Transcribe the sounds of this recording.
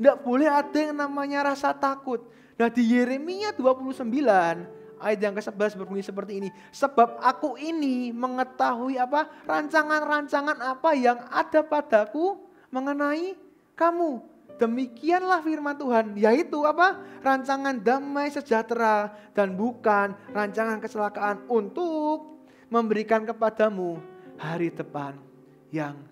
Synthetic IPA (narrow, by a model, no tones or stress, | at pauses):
ndaʔb̥olɛhad̥aŋnamaɲaɾasat̪akʊt̪̚ | nahdijeɾemiaduapuluhsəmbilan | ʔaɪt̪̚jaŋkəsəblasbərbuŋisəpərt̪iːni | səb̥ap̚akuʔiniməŋət̪aɦuiaparaɲt͡ʃaŋanraɲt͡ʃaŋanapajaŋad̥a̤pad̥aku | məŋənai | kamu | d̥əmikianlahfirmant̪uɦanjait̪uaparaɲt͡ʃaŋand̪amajsə̥d͡ʒ̥a̤t̪ɾad̥anbukanraɲt͡ʃaŋankət͡ʃəlakaʔːnunt̪ʊk̚ | məmbəɾikankəpad̥amuhaɾid̥əpan | jaŋ